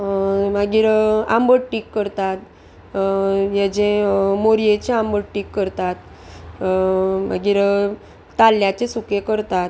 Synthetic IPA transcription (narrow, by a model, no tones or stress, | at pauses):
m̤aɡiːɾambəɽʈikːəɾt̪at̪ | jed͡ʑemoɾijet͡ɕeambəɽʈikːəɾt̪at̪ | m̤a̰ɡiːɾ | t̪alːjat͡ɕesukekəɾt̪at̪̚